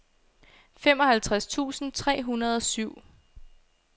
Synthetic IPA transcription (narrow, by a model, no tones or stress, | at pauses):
femɒ̽hælt͡sʰʁast͡sʰṵːsn̩t͡sʰʁɛ̰ːɦunɐð̞̩ˠɒ̽syʊ̰